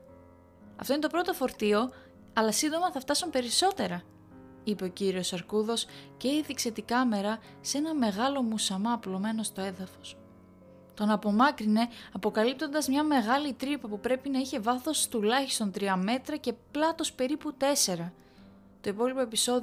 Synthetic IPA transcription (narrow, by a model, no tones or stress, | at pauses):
ɐ̰ft̪o̞inet̪o̞pɾo̞t̪o̞fo̞ɾt̪io̞ | ɐlɐsind̪o̞mɐθɐft̪ɐsumpe̞ɾiso̞t̪e̞ɾɐ | ipe̞ociɾio̞sɐɾkuðo̞sce̞iðikse̞t̪ikɐme̞ɾɐ | se̞nɐme̞ɣɐlo̞musɐmɐplo̞me̞no̞st̪o̞e̞ðɐfo̞s | t̪o̞nɐpo̞mɐkɾine̞ɐpo̞kɐlip̚t̪o̞nd̪ɐzmɲɐme̞ɣɐlit̪ɾipɐpupɾe̞pinɐiçe̞vɐθo̞st̪ulɐçi̥st̪o̞nt̪ɾiɐme̞t̪ɾɐce̞plɐt̪o̞spe̞ɾiput̪e̞se̞ɾɐ | t̪o̞ipo̞lipo̞e̞piso̞ð